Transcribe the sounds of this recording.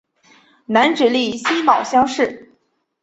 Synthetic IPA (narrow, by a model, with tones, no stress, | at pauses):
na˧˥nʈ͡ʂɻ̩˨˩li˥˩ɕi˥mɑ˨˩ʊɕjɑ˥ŋʂɻ̩˥˩